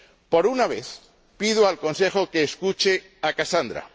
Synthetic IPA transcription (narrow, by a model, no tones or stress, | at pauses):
po̞ɾunaβ̞e̞θ | piðoalko̞nse̞xo̞ke̞ːskut͡ʃe̞ | akasand̪ɾa̰